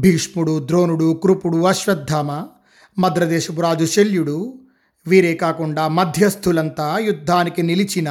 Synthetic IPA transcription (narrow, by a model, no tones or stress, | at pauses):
bʱiːʂmuɽud̪ɾo̞ːnuɽukɾupuɽuɐʃɾɐd̪ʱːaːmɐ | mɐd̪ɾɐd̪ɛːʃɐpuɾaːd͡ʒuʃeljuɽu | ʋiːɾeːkaːkuɳɖaːmɐd̪ʱjɐst̪ʰulɐnt̪aːjud̪ʱːaːnikinilit͡ʃinɐ